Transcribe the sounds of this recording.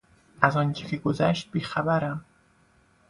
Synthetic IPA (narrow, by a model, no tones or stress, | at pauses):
ʔæzɒːnt͡ʃʰecʰeɡozæʃt̪̚biːxæbæɾæm